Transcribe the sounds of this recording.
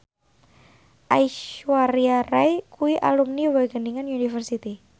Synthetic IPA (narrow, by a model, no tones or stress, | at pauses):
ʔaiʃwaɾiarajkuiʔa̰lumniwaɡəniŋanunifərsit̪i